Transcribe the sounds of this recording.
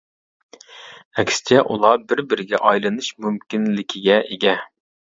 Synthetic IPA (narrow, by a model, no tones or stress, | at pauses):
ɛkʲsɪ̥t͡ʃʰɛʔulˠɑbɪɾbɪɾɪɡʲɛʔɑjlˠɨnɨʃmymkʲinlɪkʲʰiɡʲɛʔeɡʲɛ